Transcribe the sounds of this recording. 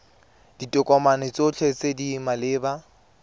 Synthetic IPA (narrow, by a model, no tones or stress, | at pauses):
d̥itʼʊkʼɔmanɪt͡sot͡ɬʰet͡sedimalɪːba